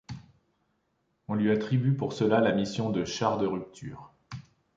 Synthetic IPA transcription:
ɔ̃lɥiat̪χibypuʁsəlalamisjɔ̃d̪əʃaʁd̪əʁyp̚t̪ʰy̰ːʁ

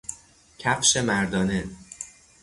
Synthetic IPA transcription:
cʰæpʃe̞mæɾd̪ɒːne

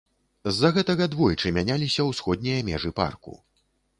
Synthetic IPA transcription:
zːɐɣɛt̪ɐɣɐd̪vɔjt͡ʂɨmʲanʲalʲisʲɐwsxɔd̪ʲnʲijɐmʲɛʐɨpa̰rkṵ

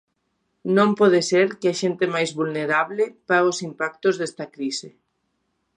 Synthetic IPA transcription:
nõmpɔðeseɾkɪaʃent̪ɪmajzβulneɾaβlɪpaɣosimpak̚t̪ozðɛst̪ɐkɾisɪ

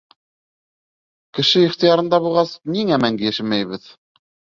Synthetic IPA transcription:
kɘ̆ʃɘiχt̪ɤ̆jɑɾɤ̆nd̪ɑβulˠʁɑsniŋæmæŋɡɘjæʃɘmæjβɘð

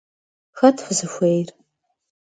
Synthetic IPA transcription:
xɐtʰħʷzɨxʷejr

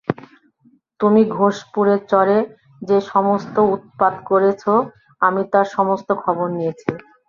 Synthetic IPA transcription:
t̪umiɡʱoʃpuɾeɾt͡ɕɔɾe | d͡ʑeʃɔmost̪out̪̚pad̪koɾet͡ɕʰo | amit̪aɾʃɔmost̪okʰɔboɾnijet͡ɕʰi

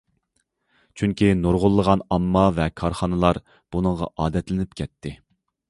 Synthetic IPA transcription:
t͡ʃʰyŋkʲinoɾʁʊlˠːəʁɑnɑmːɑvɛkʰɑɾχɑnɨlˠɑɾ | b̥unɨŋʁɑ̰ʔɑːd̪ɛt̪lɪnɪpkʲʰɛt̪ʰːɪ

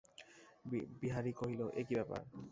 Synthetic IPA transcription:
biɦaɾikoɦiloʔekibɛpa̰ɹ

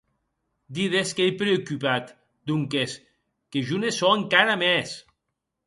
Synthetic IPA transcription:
d̪iðeskejpɾeokypat̪ | d̪uŋkes | keʒunesɔeŋkaɾamɛs

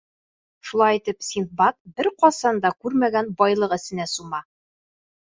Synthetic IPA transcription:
ʃulˠɑjit̪ɘpsʲint̪̚bɑt̪̚bɘɾqɒsɑnd̪ɑkʉɾmæɡænbɒjlˠɤqɘ̆sɘ̆næsumɑ

